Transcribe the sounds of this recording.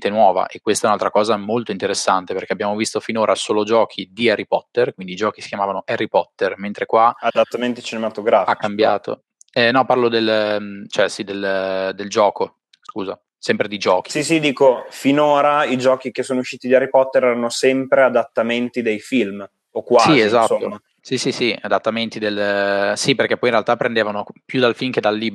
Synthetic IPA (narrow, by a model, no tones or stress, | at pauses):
t̪enwɔːva̰ʔekːwest̪aɛunalt̪ɾakɔːzamolt̪oint̪eɾesːant̪eperk̟eabjaːmovist̪ofinoːɾʔasoːlod͡ʒɔːkʰid̪iaɾipɔt̪ːerkwind̪iːd͡ʒɔːkisi̥kjamaːvanoʔaɾipɔt̪ːerment̪ɾekwaad̪at̪ːament̪it͡ʃinemat̪oɡɾafaikːambjaːt̪o̰ | ɛnɔparlod̪elt͡ʃɛsid̪eld̪eld͡ʒɔːko | skuːza | sɛmpɾed̪id͡ʒɔːk̟i̥sisid̪iːkofinoːɾaid͡ʒɔːkik̟esːoːnouʃːiːt̪id̪ieɾipɔt̪ːeɾɛɾanosɛmpɾead̪at̪ːament̪id̪ejfilm | okwasizezat̪soːo | sisisiad̪at̪ːament̪id̪elsiperk̟epːɔjinrealt̪apːɾend̪eːvanopjud̪alfilmk̟ed̪alːiːb